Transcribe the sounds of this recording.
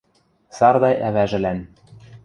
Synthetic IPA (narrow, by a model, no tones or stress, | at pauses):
sɑrd̪ɑjʔæβæʒɘ̆læn